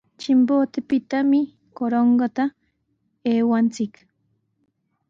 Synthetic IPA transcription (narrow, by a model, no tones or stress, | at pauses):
t͡ʃɪmpot̪epɪt̪amɪ | koɾoɴɡat̪a | eːwant͡sɪk